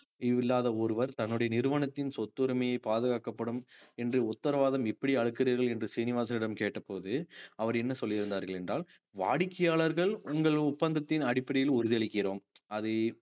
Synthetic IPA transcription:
ɪʋɪlːaːðɐɔɾɯʋɐɾt̪ɐnːɯɽɐjɐnɪɾɯʋɐnɐt̪ːɪnsɔt̪ːɯɾɪmɐjɐɪpaːðɯɣaːkɐpːɐɽɯmɛndrɯʊt̪ːɐɾɐʋaːðɐmɪpːɐɽiɐɭɯkːɪriːɾɣɐɭɛndrɯsiːnɪʋaːs̬ɐnɪɽɐmkeːʈːɐpːoːðɯɐʋɐɾɛnːɐsɔlːɪɪɾɯnd̪aːɾɣɐɭɛndraːl | ʋa̰ːɽɪkːɪjaːɭɐɾɣɐɭʊŋɡɐɭʊpːɐnd̪ɐt̪ːɪnɐɽɪpːɐɽɪjɪlʊɾɯðɪɐɭɪkːɪroːmɐðɯ

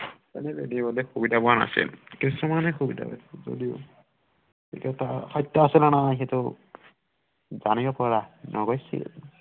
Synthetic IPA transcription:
ɛ̰nɛbedibɔlɛxubidabɔana̰sḭlkisɔmanɛxubida̰ba̰szo̰diʊ | ḭkɛtaxɔjtːɔasilɔnaajxetʊ | zanibɔpɔɹanʔɔɡɔjsḭl

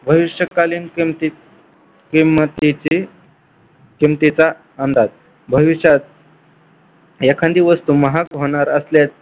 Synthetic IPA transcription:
bʱəʋiʂəkaliːnt̪i | kimət̪it͡si | kimt̪it͡sa | ənd̪ad͡z | bʱəʋiʂat̪̚ | jakʰãnd̪iʋəst̪uməɦakɦoɽ̃aɾəsljat̪̚

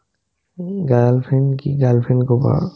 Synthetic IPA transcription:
ɡalpʰɛnkiɡalpʰɛnkɔba̰

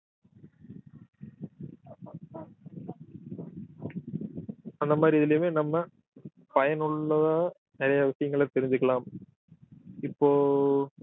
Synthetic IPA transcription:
ɐnd̪ɐmaːd̪ɾiɪðɪlɐjmeːnɐmːɐ | pɐjɐnʊɭːɐðaː | nɪɾɐjɐːʋɐsɪjɐŋɡɐɭɐt̪ːɛɾɪɲd͡ʒɯkːɐɭaːm | ɪpːoː

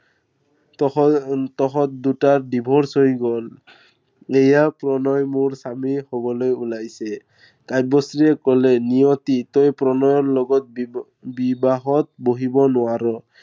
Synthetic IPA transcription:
t̪ɔxɔt̪̚dutadibʱɔɹsoiɡɔl | ejapɹɔnɔjmoɹsamihobɔlojulajsɛ | kaj̚bɔsɹiɛkɔlɛnijɔt̪it̪ojpɹɔnɔjɔɹlɔɡɔt̪̚ | bibaɦɔt̪̚boɦibɔnʊaɾɔ

